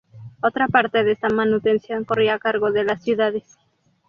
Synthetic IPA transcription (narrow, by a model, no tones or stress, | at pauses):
o̞t̪ɾapaɾt̪e̞ðest̪amanut̪e̞nsjo̞ŋko̞riakaɾɣo̞ðe̞lasːjuðaðe̞s